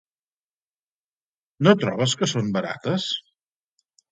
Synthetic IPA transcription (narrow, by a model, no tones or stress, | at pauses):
not̪ɾɔβəskəsombəɾa̰t̪əs